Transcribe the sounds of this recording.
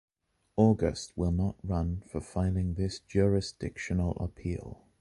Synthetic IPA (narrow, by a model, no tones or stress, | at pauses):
ɔɡə̰st̚wɪlˠnəʔɹʌ̃nfəfaɪlˠɪ̃ŋðɪsd̥ʒ̥ʊɹɪsd̥ɪkʃənəl̩ˠə̰pʰḭːlˠ